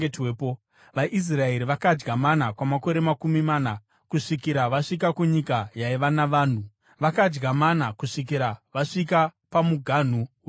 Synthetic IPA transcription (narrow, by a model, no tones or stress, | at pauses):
etweːpo | ʋaʔis̬rae̞ɾiʋakad͡ʒɡamanakwamako̞ɾe̞makumimaːna | kuʂikiɾaʋaʂikakuɲikajaiʋanaʋaːn̤u | ʋakad͡ʒɡamanakuʂik̬iɾaʋaʂikapamuɡʱan̤uw